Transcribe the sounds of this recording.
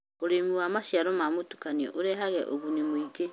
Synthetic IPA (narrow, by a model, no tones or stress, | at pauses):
oɾemuwamaʃjaɾɔmamotu̥kaniɔ̰ʔoɾɛɦaɣɛʔo̰ɣunemoiɡe